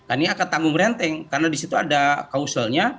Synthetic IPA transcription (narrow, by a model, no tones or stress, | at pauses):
kaniakat̪aŋɡʊŋɾɛnt̪ɛŋkarnadisit̪uadakausəlɲa